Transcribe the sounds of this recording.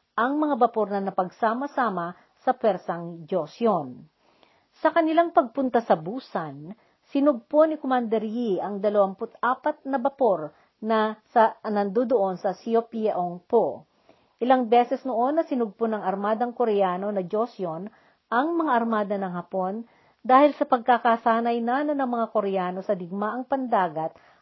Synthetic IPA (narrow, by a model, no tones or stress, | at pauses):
ʔɐŋmɐŋabɐpo̞ɾnɐnɐpɐɡsaːmɐsaːmɐ | sɐpwɛɾsɐŋd͡ʒosjon | sɐkɐnɪlaŋpɐɡ̚pʊnt̪asɐbuːsɐn | sɪnʊɡ̚ponɪkomand̪ɛɾjiʔɐŋd̪ɐlɐwampʊt̪aːpɐt̪̚nɐbɐpo̞ɾ | nɐsɐnɐnd̪od̪oʔo̞nsɐsiopiaʔoŋpo | ʔɪlaŋbɛsɛsnoʔo̞nːɐsɪnʊɡ̚ponɐŋɐɾmaːd̪ɐŋkoɾɛjaːno̞nɐd͡ʒosjon | ʔɐŋmɐŋaʔɐɾmaːd̪ɐnɐŋhɐpo̞n | d̪aːhɪlsɐpɐɡ̚kakasaːnɐjnanɐnɐŋmɐŋako̞ɾɛjaːno̞sɐd̪ɪɡ̚maʔɐŋpɐnd̪aːɡɐt̪̚